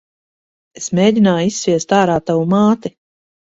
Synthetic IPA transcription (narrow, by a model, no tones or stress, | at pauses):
esmeːɟ̪ʲinaːjisːvʲiɛst̪aːɾaːt̪ːawumaːt̪i